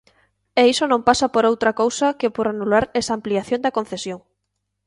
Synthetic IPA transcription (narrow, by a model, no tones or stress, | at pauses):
eisonõmpasapoɾowt̪ɾakowsakɪpoɾanulaɾɛsaːmpliaθjoŋd̪ɐkõnθesjoŋ